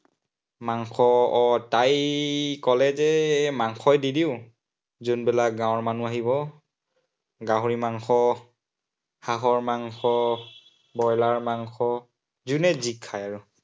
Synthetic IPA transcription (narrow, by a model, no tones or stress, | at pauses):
maŋxʰɔɔtajkɔlɛzɛmaŋxʰɔjdidiʊ | zunbɛlak̚ɡãwɔɹmanuaɦibɔ | ɡaɦuɹimaŋxɔ | haxɔɹmaŋxʰɔ | bɔjlaɹmaŋxʰɔ | zunɛzikʰːajaɹu